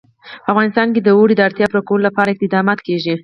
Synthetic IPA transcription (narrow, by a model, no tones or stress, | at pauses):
pəafɣɑnɪst̪ɑnked̪əwoɽid̪əaɾt̪jɑpɾokwəlolapɑɾaɪk̚t̪ɪd̪ɑmɑt̪keʒi